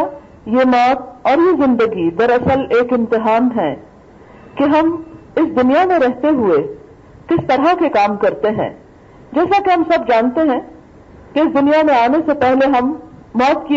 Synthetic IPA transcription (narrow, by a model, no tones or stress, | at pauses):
jemɔːt̪̚ɔːɾjezɪ̃nd̪əɡid̪ɐɾɐsəleːkɪ̃mt̪ɪɦaːnɦɛ̃ː | keɦɐmɪsd̪ʊnijamẽɾɛɦt̪eɦue | kɪst̪ɐɾɦakekaːmkɐɾt̪eɦɛ̰̃ː | d͡ʒɛːsakeɦɐmsɐb̚d͡ʒaːnt̪eɦɛ̃ː | keɪsd̪ʊnijamẽaːnesepɛɦleɦɐmːɔːt̪̚ki